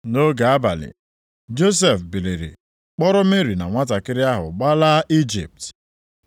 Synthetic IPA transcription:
no˦ɡa˨a˦ba̰˨lɪ̰˨ | d͡ʒo˦s̬e˨fbi˨le˨ɾḭ˨ | k͡pɔ˦ɾʊ˦me˦ɾi˨na̰˨ŋʷa˦ta˨kɪ˦ɾɪ˦a˦ɦʊ̰˨ɡ͡ba˦la˦ʔi˦d͡ʒḭ˨p̚t

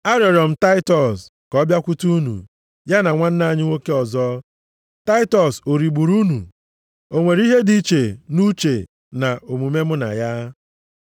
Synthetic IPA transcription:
a˦ɾjɔ˨ɾjɔ˨m̩˨ta˦ɪ˦tɔ˨s | kɔ˦bja˦kʷu˦tu˦u˦nṵ˨ | ja˦na˨ŋʷa˦n̩˦na˨ɲɪ˦ŋʷo˦ke˦ɔ˨zɔ˦ | ta˦ɪ˦tɔ˨so˨ɾi˨ɡ͡bu˨ɾu˦nu˨ | o˨ŋʷe˨ɾi˦ɦe˦di˦t͡ʃe˨nu˦t͡ʃe˨ | na˨ʔo˨mu˨me˦m̩˦na̰˨ja˦

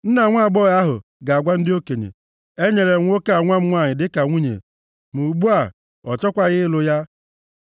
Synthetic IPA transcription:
n̩˦na˨ŋʷa˦˨ɡ͡bɔ˦˨ɣa˦ɦʊ̰˨ɡa˨a˨ɡʷa˦n̩˦dɪ˦o˦ke˨ɲḛ˨ | e˦ɲe˨ɾe˨ŋʷ˦o˦ka˦a˨ŋʷa˦m̩˦ŋʷa˦˨ɲɪ˨dɪ˦ka˨ŋʷu˦ɲḛ˨ | mu˨ɡ͡bu˦a˦˨ | ɔ˨t͡ʃɔ˦kʷa˦ɣɪ˦lʊ˦ja˦

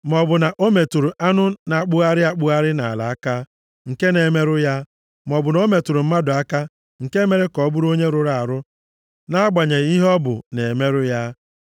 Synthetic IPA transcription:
mɔ˨bʊ˨na˨ʔo˦me˨tu˨ɾu˨ʔa˦nʊ˦na˨k͡pʊ˦a˦ɾɪ˦a˦k͡pʊ˦a˦ɾɪ˦na̰˨la̰˨a˦ka˦ | ŋ̩˨ke˦ne˨me˦ɾʊ˦ja˦ | m˨ɔ˨bʊ˨no˦me˨tu˨ɾu˨m̩˦ma˦dʊ˨a˦ka˦ | ŋ̩˨ke˦me˨ɾe˦kɔ˨˦bu˦ɾo˦ɲe˦ɾʊ˨ɾa˨a˨ɾʊ˦ | na˦a˦ɡ͡ba˨ɲe˨ɣi˦ɦɔ˦bʊ̰˨ne˨me˦ɾʊ˦ja˦

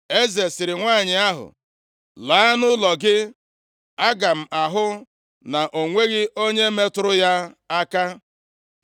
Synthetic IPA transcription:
e˦ze˨sɪ˨ɾɪ˨ŋʷaː˦˨ɲɪ˨a˦ɦʊ̰˨ | laː˨˦nʊ˦lɔ˨ɡɪ˦ | a˦ɡa˨m̩˨a˨ɦʊ˦ | na˨ʔo˨ŋʷe˦ɣɪ˦ʔo˦ɲe˦me˦tʊ˦ɾʊ˦ja˦a˦ka˦

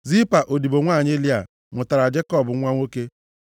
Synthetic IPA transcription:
zi˦pa˨ʔo˨di˨bo˨ŋʷa˦˨ɲ˦e˦li˦a˨ | mʊ˨ta˨ɾa˨d͡ʒe˦kɔ˦˨bʊ˨˦ŋʷa˦ŋʷo˦ke˦

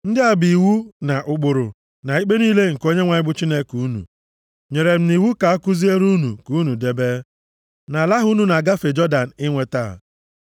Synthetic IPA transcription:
n̩˦dɪ˦a˨bi˨wu˦na˨ʔʊ˦k͡pʊ˨ɾʊ˨ | na˨i˦k͡pe˦niː˦le˦ŋ̩˨ko˦ɲe˦ŋʷa˨ɲɪ˦bʊ˦t͡ʃi˦ne˦ku˨˦nṵ˨ | ɲe˨ɾe˨m̩˨ni˨wu˦ka˨a˦kʊ˦zi˦e˦ɾu˦nṵ˨ku˨˦nu˨de˨be˦ | na˨la˦ɦʊ˦nu˨na˨ɡa˦fe˨d͡ʒɔ˦da˨n̩˨ɪ˦ŋʷe˦ta̰˦˨

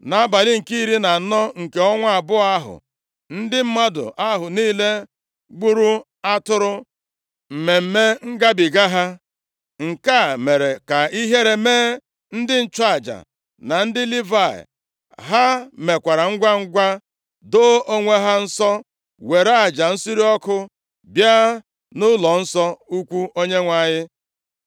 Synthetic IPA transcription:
na˨a˦ba˨lɪ˦ŋ̩˨ki˦i˦ɾi˦na˨nɔ˦ŋ̩˨ke˨ɔ˦ŋʷa˦a˨bʊ˦a˦ɦʊ̰˨ | n̩˦dɪ˦m̩˦ma˦dʊ̰˨ʔa˦ɦʊ˨niː˦le˦ | ɡ͡bu˦ɾu˦ | a˦tʊ˦ɾʊ˦ | m̩˨me˨m̩˦me˦ŋ̩˦ɡa˦bi˨ɡa˦ɦa˦ | ŋ̩˨ka˦˨me˨ɾe˨ka˨i˦ɦe˦ɾe˨meː˦ | n̩˦dɪ˦n̩˦t͡ʃɔ˦a˨d͡ʒa̰˨ | na˨n̩˦dɪ˦li˦va˦˨ɪ̰˨ | ɦa˦me˨kʷa˨ɾa˨ŋ̩˦ɡʷa˦ŋ̩˦ɡʷa˦ | do˦o˦ŋʷe˦ɦa˦n̩˦sɔ˦ | we˨ɾa˦a˨d͡ʒa˨n̩˦si˦ɾi˦ɔ˦kʊ˦ | bja˦ | nʊ˦lɔ˨n̩˦sɔ˦u˦kʷu˦o˦ɲe˦ŋʷa˨ɲɪ˦

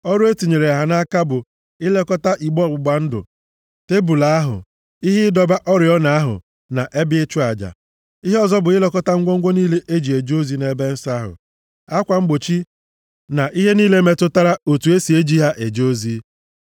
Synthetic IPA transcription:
ɔ˦ɾe˦ti˨ɲe˨ɾe˨a˨ɦa˨na˦ka˦bʊ˨ | ɪ˦le˦kɔ˦ta˦ʔi˨ɡ͡bɔ˦˨ɡ͡bʊ˨ɡ͡ba˨n̩˦dʊ̰˨ | te˦bu˨la˨a˦ɦʊ̰˨ | i˦ɦɪ˦dɔ˦ba˦ʔɔ˦ɾɪ˨ɔ˦na˨a˦ɦʊ̰˨ | na˨ʔe˦bɪ˦e˦t͡ʃʊ˦a˨d͡ʒa̰˨ | i˦ɦe˦ɔ˦zɔ˦bʊ˨ɪ˦le˦kɔ˦ta˦ŋ̩˦ɡʷo˦ŋ̩ʷ˦o˦niː˦le˦ʔe˦d͡ʒi˨e˨d͡ʒo˦zi˦ne˨˦be˦n̩˦sa˦ɦʊ̰˨ | a˦kʷa˨ŋ͡m̩˦ɡ͡bo˨t͡ʃi˦ | na˨ʔi˦ɦe˦niː˦le˦me˦tʊ˦ta˦ɾa˦o˨tu˨˦e˦si˨e˦d͡ʒi˦ɦa˦ʔe˨d͡ʒo˦zi˦

